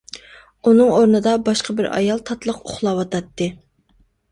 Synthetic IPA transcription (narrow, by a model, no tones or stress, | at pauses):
unɨŋoɾnɨd̪ɑbɑʃqʰəbɪɾɑ̰jɑlˠt̪ʰɑt̪lˠəqoχlˠɑwɑt̪ʰɑt̪ːɨ